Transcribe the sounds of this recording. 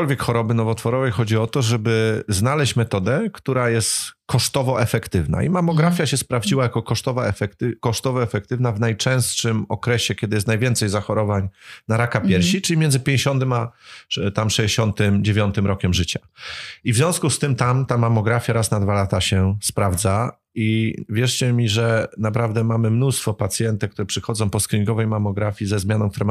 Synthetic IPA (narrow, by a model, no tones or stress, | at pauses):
kɔlvʲjɛkxɔɾɔbɘnɔvɔt̪fɔɾɔvɛjxɔd͡ʑiɔt̪ɔʐɛbɘznalɛɕt͡ɕmɛt̪ɔd̪ɛkt̪uɾajɛst̪kɔʂt̪ɔvɔʔɛfɛkt̪ɘvna̰ḭmamɔɡɾafʲjaɕɛspɾavd͡ʑiwajakɔkɔʂt̪ɔvaɛfɛk̪kɔʂt̪ɔvɔɛfɛkt̪ɘvnavnajt͡ʂɛ̃w̃st̪ʂɘmɔkɾɛɕɛkʲjɛd̪ɘjɛst̪najvʲɛnt̪sɛjzaxɔɾɔvaɲnaɾakapʲjɛɾɕit͡ʂɘlʲimʲjɛnd̪zɘpʲjẽɲd͡ʑeɕɔnt̪ɘmat̪amʂɛd͡ʑeɕɔnt̪ɘmd͡ʑevʲjɔnt̪ɘmɾɔkʲɛmʐɘt͡ɕaivzʲɔ̃skust̪ɘmt̪amt̪amamɔɡɾafʲjaɾasnad̪valat̪aɕɛspɾavd̪za | ivʲjɛʂt͡ɕɛmʲiʐɛnapɾavd̪ɛmamɘmnust̪fɔpat̪sʲjɛnt̪akt̪uɾɛpʂɘxɔdzɔ̃w̃pɔskɾʲiŋɡɔvɛjmamɔɡɾafʲizɛzmʲjanɔ̃kt̪uɾɛ